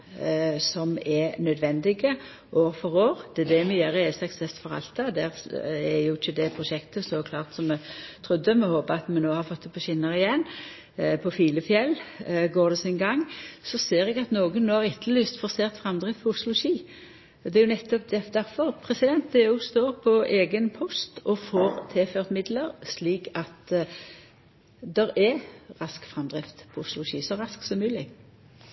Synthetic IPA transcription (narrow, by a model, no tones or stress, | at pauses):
sɔmɛnœd̪ʋɛnd̪ɪɡə | ʔoːɾfɔɾoːɾd̪̥ɛd̪ɛmɛjæːɾəɛsɛksɛst̪fɔʁɑ̰lt̪ɑd̪æɾɛjʊɪçːəd̪ɛpʰɾʊʃɛkt̪əsoːkʰlɑːʁt̪sɔmɛt̪ʰɾʉd̪ːəmɛhoːpəɑt̪mɛnnoːhɑɾfɔt̪ːəpʰɔɕɪnːɑʁɪjɛnː | pʰɔfiːləfjɛlːɡoːɾd̪ɛsɪnɡɑŋːsɔseːʁɛɡɑt̪noːɡənnoːæʁɪt̪ʰːəlyːst̪fɔʁseːʁt̪fʁɑmd̪ʁɪft̪pʰɔʊslʊʊʃiː | d̪ɛæɾjʊnɛt̪ːɔp̚d̪ɛd̪æʁfɔʁpʰʁɛsɪd̪ɛnt̪eːuʊst̪oːʁpʰɔeːɡənpʰɔst̪ɔfoːɾt̪ʰeːføːʁt̪mɪd̪ləɾsliːkɑt̪ | d̪ɛɾɛʁɑskfʁɑmd̪ʁɪft̪pʰɔʊslʊʃiːsɔʁɑsksɔmmʉːlɪɡ